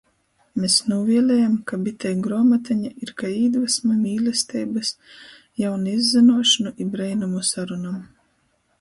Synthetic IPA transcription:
mesnuvʲiɛlʲɛjamkabit̪ʰɛjɡɾɔːmat̪aɲaiɾkaiːd̪vasmamʲiːlʲɛst̪ɛːbɨs | jawnaizːinuɔʃɨnuʔibɾɛjnumusaɾunam

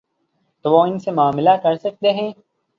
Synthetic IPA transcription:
t̪oʋoɪnsemaːmɪlakɐɾsɐk̚t̪eːɦɛ̃ː

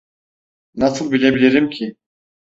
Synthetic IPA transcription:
nɑsɯlˠbilʲebilʲeɾimkʰʲi

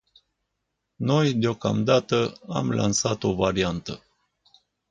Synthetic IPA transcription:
no̞jd̪eo̞ka̰md̪at̪əa̰mlʔa̰nsat̪o̞vaɾiant̪ə

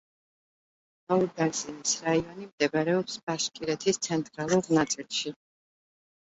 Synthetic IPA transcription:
auɾd̪aɾzinisɾaiɔnimd̪ɛbɾɛɔpsb̥aʃkʼiɾɛt̪ʰist̪sʰɛnt̪ʼɾalˠuɾnat̪sʼilˠʃi

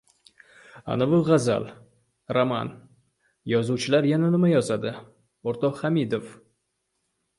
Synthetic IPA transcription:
a̰navʊʁaza̰lˠ | ɾama̰n | jɒzuwt͡ʃʰɪlaɾjananɪmajɒzad̪ɪ | oɾt̪ʰɒhamid̪of

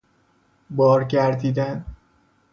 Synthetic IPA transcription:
bɒːɾɟæɾd̪iːd̪æn

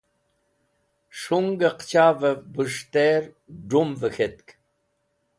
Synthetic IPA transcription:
ʂuŋɡəqt͡ɕʰavəbɨʂt̪eɾ | ɖ͡ʐumvəxet̪̚k

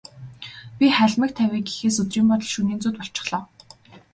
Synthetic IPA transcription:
pʲiχæɮʲmə̆k̚t̪ʰæwiːɡixeːsɵt̪riːmpɔt̪̬ɞ̆ɮʃuniːnt͡suːt̪pɔɬt͡ɕɪ̥̆χɮɔːw

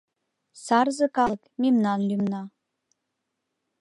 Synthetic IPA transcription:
sɑrzɤ̆kɑlɤkmemnɑnlymnɑ

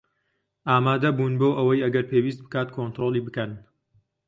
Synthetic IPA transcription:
ʔaːmaːd̪ɐbuːnboːʔɐwɐjɐɡɐɾpʰeːwiːs̬t̪̚bɨ̥kaːt̪̚kʰont̪ɾoːlˠiːbɨkɐn

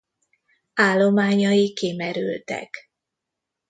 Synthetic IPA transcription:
aːlːo̞maːɲɒjikːimɛɾylt̪ɛ̰k

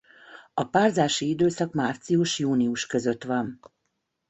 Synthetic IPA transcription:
ɒpaːrzaːʃiid̪øːsɒkmaːrt̪sijuʃjuːniuʃkø̞zø̞t̪ʋɒn

